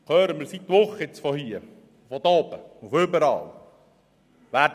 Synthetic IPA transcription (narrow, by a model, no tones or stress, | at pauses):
kʰœːɾəmɪɾsit̪ːʋʊχːəɪt͡sfɔhiːə | fɔd̪ɔːbəufʏbəɾɑ̰ːl | ʋæːd